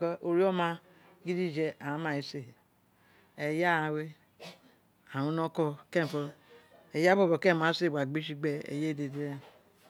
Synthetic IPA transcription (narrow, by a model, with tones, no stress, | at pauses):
kɔ˦ʔo˨ɾi˦o˦ma˦ | ɡi˦di˦˨d͡ʒe˦a˨a˦ma˨i˨se˦˨ | e˨ja˦˨a˨we˦ | a˨u˦no˦ko˦ke˦m˨fo˨e˨ja˦bo˦˨bo˨ke˦˨ma˨˦se˦˨ba˨ɡ͡bi˦ʃi˦ɡ͡be˦ḛ˨je˦˨de˨de˦e˦